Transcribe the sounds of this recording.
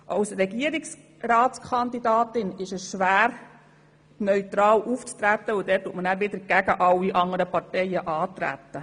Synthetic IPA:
ʔɑwsɾɛɡiəɾiks | ɾɑːtt͡skʰɑnd̪idɑːtɪnɪʃəsʃʋæːɾ | nœʏt̪ɾɑːlʔuft͡st̪ɾæt̪ːəʊd̪ɛːtːuətmənæːɾʋɪd̪əɾɡ̥æɡəʔɑwːiʔɑŋəɾəpɑtɛjəʔɑːt̪ɾæ̰t̪ːə

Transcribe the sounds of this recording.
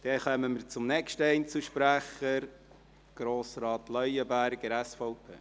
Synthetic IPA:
d̥ɛχœməməɾt͡sʊmnɛkʃtəɛɪnt͡suʃpɾæχəɾ | ɡ̥ɾoːsɾɑːt̪lœjəbæɾɡəɾɛsfɔʊpʰḛː

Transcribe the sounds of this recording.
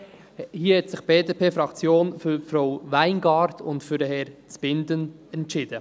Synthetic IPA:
hiəhɛt̪sɪχb̥eːdeːpʰeːfɾɑkt͡sjoːnfʏɾfɾowʋæɪnɡɑːɾt̪ʰʊntfyɾəɦɛɾt͡sb̥ɪnd̪ənɛntʃɪd̥̪ə

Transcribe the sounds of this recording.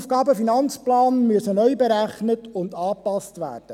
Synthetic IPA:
fɡ̥ɑːbəfinɑnt͡splɑːnmyəsənœjbeɾæχnətʊndɑːpɑstʋæ̰ːrd̥ə

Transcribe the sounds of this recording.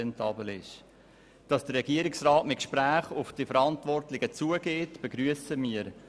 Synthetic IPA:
ɛntʰɑːbəl̩ɪʃ | d̥ɑsd̥ərːɛɡ̥iəɾɪksrɑːtmɪt̚kʃpɾæːχʊfd̥ifəɾɑntvɔrtlɪɡət͡suəɡeːtb̥eɡɾyəsəmiːəɾ

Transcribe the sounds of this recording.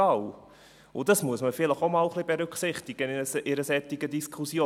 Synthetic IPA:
ɑw | ʊdɑsmuəsməfɪləχomɑːlχlib̥ɛɾʏkχsɪχt̪ɪɡ̥ənsɪɾəsɛt̪ːɪɡədiskʰχusjoː

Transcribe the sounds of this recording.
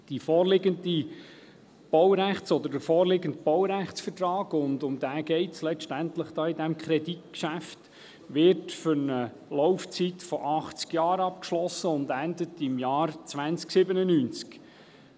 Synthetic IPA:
d̥ifɔːɾlɪɡəndi | b̥ɔwɾæχt͡sɔd̪əɾd̥əfɔːɾlɪɡəntb̥ɔwɾæχt͡sfərtɾɑːɡʊndʊmd̪æːɡ̥ɛɪtslɛʃtæntləχd̥ɑːidɛmkχɾɛditkʃæft | ʋɪɾtfʏɾnə | lɔʊft͡sitfɔʔɑχt͡skjɑːɾɑp̚kʃlɔsəʊnd̪ændətɪmjɑːrt͡sʋænt͡sksɪbənənyːnt͡sk

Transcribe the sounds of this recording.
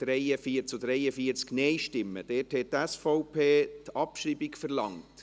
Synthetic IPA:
d̥ɾɛɪəfiːəɾt͡sodɾɛɪəfiːəɾt͡sknɛɪʃtɪmːə̰d̥ɛːthɛttːɛsfɔʊpʰeːtɑpʃɾiːbikfəɾlɑŋt

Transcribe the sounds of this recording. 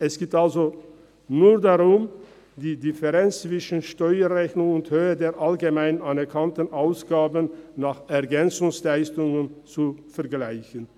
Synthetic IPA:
ʔɛsɡ̥eːtalzo | nuːɐdaʁʊm | diːdɪfɛʁɛnt͡st͡sv̥ɪʃən̩ʃtɔʏɐʁɛçnʊŋʊnthøːədeːɐʔalɡemaɪnanɛɐkʰantən̩ʔaʊsɡ̥aːbənːaːχɛɐɡɛnt͡sʊŋslaɪstʊŋənt͡sufɛɐɡlaɪçən

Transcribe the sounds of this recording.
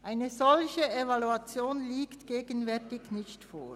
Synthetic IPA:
ʔaɪnəzɔlçəevɑluɑt͡sjoːnliːktɡ̥eːɡənvɛɐtɪçnɪçtfo̰ː

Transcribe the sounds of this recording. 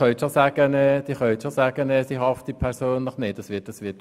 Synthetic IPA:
œʏt̪ʃosæɡ̥ənɛːd̥iχœʏt̪ʃosæːɡ̥ənɛːsiɦɑftd̥ipʰɛɾsoːnləχneːtɑsʋɪtɑsʋɪt

